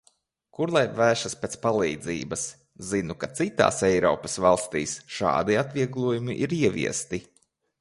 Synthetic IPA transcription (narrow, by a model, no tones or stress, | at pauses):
kuɾlˠajvæːʃɐspeːt̪spalˠiːd̪zḭːbɐs | zinukat̪sit̪a̰ːsɛjɾɔ̰ːpɐsvalˠst̪ḭːsʃɑ̰ːd̪iat̪vʲiɛɡlˠuɔjumiʔiɾiɛvʲḭɛst̪i